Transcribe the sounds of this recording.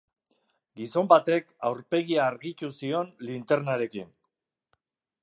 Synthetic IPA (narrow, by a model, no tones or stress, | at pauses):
ɡiso̞mbat̪e̞kawɾpe̞ɣiaːɾɣit͡ʃusio̞nlint̪e̞ɾnaɾe̞kin